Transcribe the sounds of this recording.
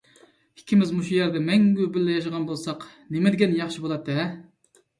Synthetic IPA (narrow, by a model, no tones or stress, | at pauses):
i̥kʲʰːimɪzmuʃujɛɾd̪ɛmɛŋɡʲybɪlːɛjɑʃ̬ʁɑnbolˠsɑq | nemɪd̪ɪɡʲɛnjɑχʃibolˠɑt̪ʰːɛ